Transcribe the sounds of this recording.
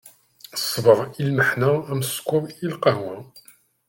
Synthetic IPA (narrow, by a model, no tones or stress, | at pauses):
sˤːvəɾˤilməħnææmskʷːʊɾˤilqɑwæ